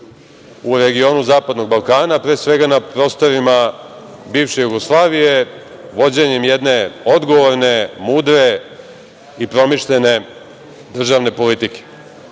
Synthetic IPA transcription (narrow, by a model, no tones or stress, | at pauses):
uɾe̞ɡio̞ːnuzaːpad̪no̞ɡ̚balˠkaːnapɾeːsʋe̞ɡanapɾo̞ːst̪o̞ɾima | biːʋʃe̞juɡoslˠaːʋije̞ | ʋo̞d͡ʑeɲemjed̪ne̞o̞d̪ɡo̞ʋoɾne̞muːd̪ɾe̞ | ipɾo̞miʃʎe̞ne̞ | d̪r̩ʒaːʋne̞po̞lit̪ike̥